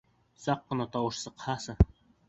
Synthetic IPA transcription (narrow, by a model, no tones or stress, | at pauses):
sɑqːɤ̆nɑt̪ɑwɤ̆ʃsɤ̆qhɑsɤ